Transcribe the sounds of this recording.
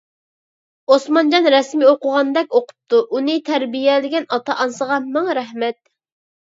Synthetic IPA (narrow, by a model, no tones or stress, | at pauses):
osmɑnd͡ʒɑnɾɛsmioqʊʁɑnd̪ɛk̚ʲoqʰʊ̥p̚t̪ʰuʔunɨt̪ʰæɾbijɛd̪ɪɡʲɛnɑt̪ʰɑʔɑnsəʁɑmɛŋɾɛɦmɛt̪̚